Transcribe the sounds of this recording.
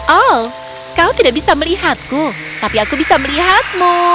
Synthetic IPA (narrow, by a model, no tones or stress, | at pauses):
ʔal | kawt̪idaʔ̚bisaməliɦat̪̚ku | t̪apiakubisaməliɦat̪̚mu